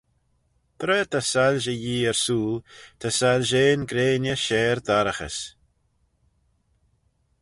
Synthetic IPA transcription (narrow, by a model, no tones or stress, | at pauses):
pʰɾɛːt̪ʰasalʒəjiːɛɹsuːlt̪ʰasalʒeːnɡɾeːnjəʃɛːɾd̪aɾəxə̰s